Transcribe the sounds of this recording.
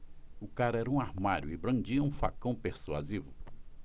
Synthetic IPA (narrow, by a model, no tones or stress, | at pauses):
ʊkaɾɐɛɾɐũaɾmaɾjʊɪbɾɐ̃nd͡ʒiɐũfa̰kɐ̃w̃peɾsua̰zivʊ